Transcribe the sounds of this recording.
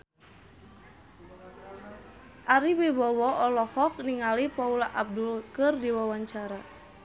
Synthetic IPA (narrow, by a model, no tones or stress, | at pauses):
ʔaɾiwibɔwɔɔlɔhɔk̚niŋalipaulaʔab̚dulkɨrdiwawaɲt͡ʃaɾa